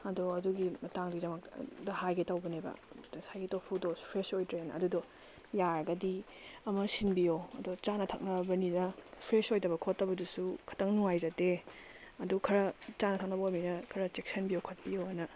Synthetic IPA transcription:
ɐdoɐduɡimɐtaŋdudɐmɐk̚dɐhajɡetawbɐnebɐ̰sajɡetowpʰudospʰɾesojtɾenɐ̰dudo | jaɾɡɐdi | ɐmɐsinbijoɐ̰dot͡ʃanɐtʰa̰k̚nɐbɐninɐpʰɾesojdɐbɐkʰotːɐbɐdusukʰɐ̥tɐŋnuŋajzɐte | ɐdukʰɐɾɐt͡ʃanɐtʰak̚nɐbɐojminɐkʰɐɾɐt͡ʃek̚sɐnbijowkʰot̚bijoɐnɐ

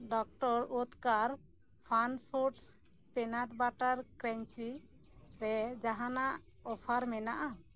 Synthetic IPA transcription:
ɖɔk̚ʈɔɾut̪kaɾ | pʰanpʰuɾʈs | pɛnaʈbaʈaɾkɾɛɲt͡ʃi | ɾɛd͡ʒaɦanaʔɔpʰaɾmɛnaʔa

